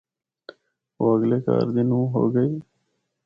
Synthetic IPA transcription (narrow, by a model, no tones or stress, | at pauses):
oɐɡleːka̰ːɾd̪ɪnũːɦo̰ːɡəi